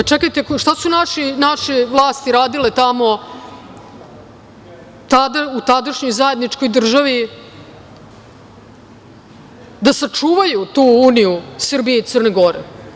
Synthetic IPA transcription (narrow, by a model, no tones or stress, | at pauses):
t͡ʃekajt̪e̞kʃt̪asunaʃinaʃiʋlˠaːst̪iɾaːd̪ilet̪amo̞ | t̪ad̪aut̪ad̪aʃɲo̞jzajed̪nit͡ʃko̞jd̪r̩ʒaʋi | d̪asat͡ʂuːʋajut̪uːuːnijusr̩bijeit̪sɨrneɡo̞ɾḛ